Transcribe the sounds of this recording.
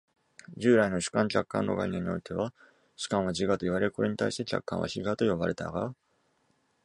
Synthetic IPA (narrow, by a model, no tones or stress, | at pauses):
d͡ʑɨːɾaino̞ɕɨ̥kãŋkʲakːã̰nːo̞̰ɡa̰iɲeɲːio̞̰it̪e̞βa | ɕɨ̥kãɰ̃βad͡ʑiɡat̪o̞iβaɾe̞ɾɯko̞ɾe̞ɲit̪aiɕi̥t̪e̞kʲa̰kːã̰a̰çiɡat̪o̞jo̞βaɾe̞t̪a̰ɡa̰